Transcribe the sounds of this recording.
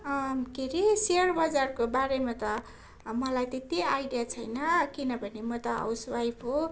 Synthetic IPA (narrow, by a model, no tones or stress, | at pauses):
ɡʱeɾeseʌrbʌd͡zarkobaɾemat̪ʌ | mʌlajt̪et̪iajɖijat͡sʰʌjnʌkinʌbʱʌnemʌt̪ʌʌ̰wswajpʰɦo